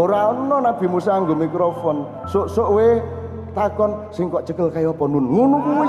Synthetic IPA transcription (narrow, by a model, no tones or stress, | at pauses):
oɾaɔnnɔnab̥i̤musaːŋɡomikɾɔfɔn | soʔsoʔwe | t̪akɔnsɪŋkɔʔt͡ʃəkəlkajɔpɔnunŋunukuwi